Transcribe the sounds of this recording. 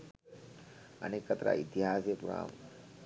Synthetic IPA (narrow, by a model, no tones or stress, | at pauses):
ə̰neːkːət̪ɾa̰ʔit̪iɦaːsijəpuɾa̰ːm